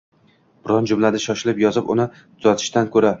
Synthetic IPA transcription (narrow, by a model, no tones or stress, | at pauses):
b̥ɪɾɒnd͡ʒʊmlad̪aʃɒʃɪlɪpjɒzɪpʊ̰nɪ | t̪ʰʊzat̪ʰɪ̥ʃt̪ankʰɵɾa